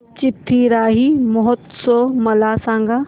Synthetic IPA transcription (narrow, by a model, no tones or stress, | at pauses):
t͡ɕɪt̪ʰːiɾaːɦimoɦʊt̪somɐlaːsãːŋɡa